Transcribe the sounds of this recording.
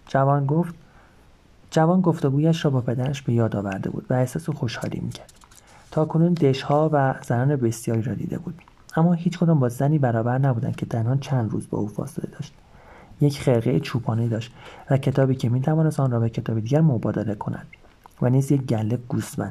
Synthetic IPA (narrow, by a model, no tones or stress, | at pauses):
d͡ʒævɒːnɡoft̪ | d͡ʒævɒːnɡo̞ft̪o̞ɡuːjæʃɾɒːbɒːpʰe̞d̪æɾæʃbe̞jɒːd̪ɒːvæɾd̪ebṵːd̪̥væehsɒːsexo̞ʃhɒ̰ːlḭːmḭːcʰæɾd̪̥ | t̪ʰɒːkʰo̞nuːnd̪eʃhɒːvæz̥ænɒːnebe̞sjɒːɾiːɾɒːd̪ḭːd̪ḛbuːd̪̥ | ʔæmːɒːhiːt͡ʃʰkʰo̞d̪ɒːmbɒːzæniːbæɾɒːbæɾnæbuːd̪æ̰ncʰe̞t̪ʰænhɒːnt͡ʃʰænd̪rṵːzbɒ̰ʔuːfɒ̰ːselḛd̪ɒːʃt̪̚ | jecχelɣejet͡ʃʰuːpʰɒːned̪ɒːʃt̪væcʰe̞t̪ʰɒːbiːcʰemiːt̪ʰævɒːnest̪ɒnrɒːbecʰe̞t̪ʰɒːbed̪iːɟæɾmobɒːd̪eɾe̞kʰo̞næ̰nd̪̥ | væniːzjec̚ɟælːeɡ̥usmæ̰nd̥̪